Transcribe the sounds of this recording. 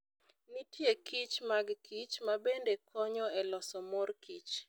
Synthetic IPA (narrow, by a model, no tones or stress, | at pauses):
nitjekit͡ʃmaɡkit͡ʃmabendekʰɔɲɔɛlɔsɔmɔrkʰit͡ʃ